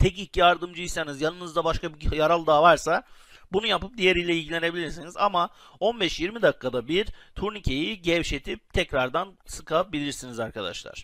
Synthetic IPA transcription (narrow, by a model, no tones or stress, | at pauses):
t̪ʰɛcicːjaɾd̪ɯmd͡ʒɯisanizjanɯnɯzd̪abaʃkʰabijaɾalˠd̪aːvaɾsa | bunujapɯp̚d̪ijeɾijlʲɛilʲɟilʲe̞ne̞bilʲiɾsiniza̰ma | o̞nbɛʃjiɾmid̪akːad̪abiɾt̪ʰuɾnicʰe̞jiɟɛvʃe̞t̪ʰip̚t̪ʰɛcɾaɾd̪ansɯkʰap̚bilʲiɾsinizaɾkad̪a̰ʃlˠa̰ɾ̥